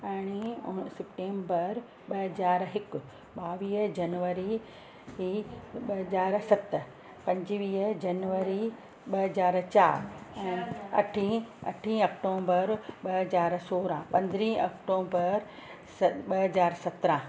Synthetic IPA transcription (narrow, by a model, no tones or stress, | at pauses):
ɐːɽ̃isɪpʈẽːmbəɾ | ɓɐɦɐzaːɾɦɪkʊ̆ | ɓaːʋiːd͡ʑɐnʋəɾi | ɦiɓɐɦɐzaːɾsɐt̪ | pɐ̃ɲd͡ʑʋiːd͡ʑɐnʋəɾi | ɓɐɦɐzaːɾt͡ɕaːɾɛ̃ːɐ̰ʈʰĩɐ̰ʈʰĩɐkʈõːbəɾɓɐɦɐzaːɾsoːɾãpɐ̃nd̪ɾĩːɐkʈoːbəɾ | sɓɐɦɐzaːɾsɐt̪ɾã